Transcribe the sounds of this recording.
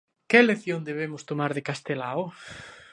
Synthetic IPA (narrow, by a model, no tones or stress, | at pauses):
keleθjond̪eβemʊst̪omaɾðekast̪elaʊ